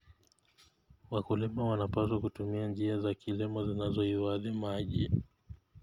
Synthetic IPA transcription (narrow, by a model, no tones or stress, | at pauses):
wakulimawanapaswakutumiand͡ʒiazakʰilimɔzinazɔiwaðimaʄi